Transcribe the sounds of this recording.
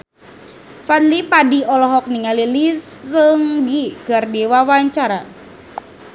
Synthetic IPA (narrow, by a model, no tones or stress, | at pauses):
fadlipadiɔlɔɦɔk̚niŋalilisəŋɡiɡ̥ardewawaɲt͡ʃaɾa